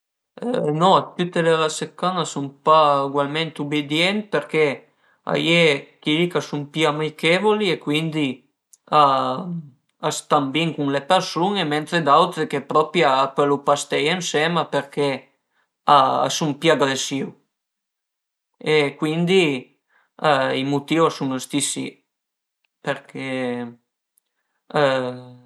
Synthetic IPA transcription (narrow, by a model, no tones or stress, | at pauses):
nɔt̪ut̪ːelelasekːanasumpauɡwalment̪ubid̪jɛnt̪̚peɾke | a̰jekilikasumpiamikevoliekwind̪i | a | ast̪ambiŋkuŋlepeɾsuŋement̪ɾed̪awt̪ɾekepɾɔpɾjaːkwelupast̪ɛjensɛmapeɾke | a̰sumpiaɡɾesiw | ekwind̪i | imut̪iwasuŋast̪isḭ | peɾkʰe